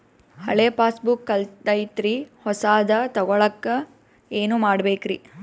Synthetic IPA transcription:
hɐ̰ɭeːpaːsbukːɐld̪ɐjt̪ɾihɔsaːd̪ɐt̪ɔɡɔɭɐkːɐ | eːnumaːɽbeːkɾi

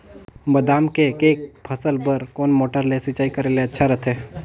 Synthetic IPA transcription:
bɐd̪aːmkekeːk̚pʰəsəlbəɾkoːnmoːʈəɾlesɪt͡ʃaːikəɾeːleɐtːʃʰaɾɐt̪ʰeː

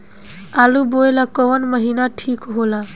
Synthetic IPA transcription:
alubojlakɔwənməɦinaʈʰikɦola

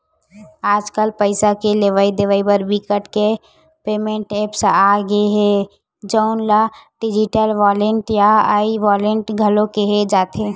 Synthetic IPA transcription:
aːd͡ʒkəlpəɪsakeleʋaːid̪eʋaːibəɾbʱikəʈke | peːmẽɳʈeːpsaɡəeɦɛ | d͡ʒəʊnlaɖɪd͡ʒɪʈəlʋaːlẽɳʈjaaːiʋaːlẽɳʈɡʱəlõkeɦed͡ʒaːt̪ʰeː

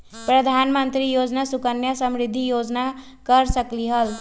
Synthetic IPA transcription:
pɾʌd̪ʱanmənt̪ɾijod͡znasukənjasəmɾid̪ʱːijod͡zna | kʌɾsʌkliɦʌl

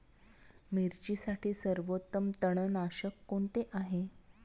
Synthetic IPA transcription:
miɾt͡ɕiːsaʈʰiːsəɾʋot̪ːəmt̪əɳənaɕəkːoɳt̪eʔaɦe

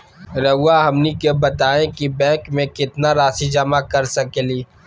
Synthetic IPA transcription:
ɾɐʊwaɦɐmnikebɐt̪aːẽkibɛ̃ːkmẽkɪt̪naɾaːsid͡ʒɐmakɐɾsɐkeliː

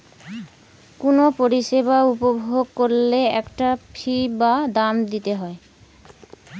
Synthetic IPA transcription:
kunopoɾiʃeβaupobʱoɡ̚koɾleɛkʈapʰibad̪amd̪it̪eɦɔe

